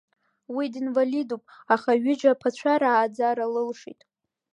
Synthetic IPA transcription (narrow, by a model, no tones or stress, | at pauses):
widinvalidupʼaχaɥɪd͡ʒapʰat͡ɕʷʰaɾaːd͡zaɾalɨlʂḭtʼ